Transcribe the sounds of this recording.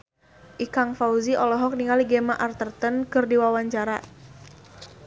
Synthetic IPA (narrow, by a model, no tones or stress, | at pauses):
ʔikaŋfauziʔɔlɔɦɔk̚niŋaliɡɛmaʔart̪ərt̪ənkɨrdiwawaɲt͡ʃaɾa